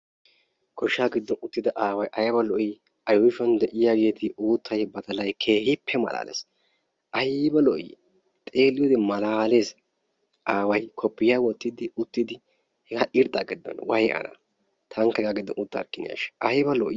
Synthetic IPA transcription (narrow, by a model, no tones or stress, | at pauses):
kʰɔʃːaːɡɪd̪ːɔnʊt̪ːɪd̪ɐʔaːwɐjʔɐjɐbɐlɔʔi | ɐjɔjɪʃɔnd̪ɛʔɪjaɡeːt̪ɪuːt̪ʰːɐjbɐt̪ɐlɐjkʰeːhɪpʰːɛmɐ̰la̰ːlḛːs | ʔɐjɪbɐlɔʔḭ | t̪ʼe̞ːlːɪjoːd̪ɛmɐlaːle̞ːs | ʔaːwɐjkʰɔpːɪjaːwɔt̪ːɪd̪ɪʊt̪ːɪd̪ɪ | hɛɡaʔɪɾd̪aɡɪd̪ːɔ̰nwɐjʔɐ̰na̰ | t̪ʰɐŋkːɐɡaɡɪd̪ːɔ̰nʊt̪ːɐɾkːɪnɪ̰ja̰ʃʔɐhɪbɐlɔʔ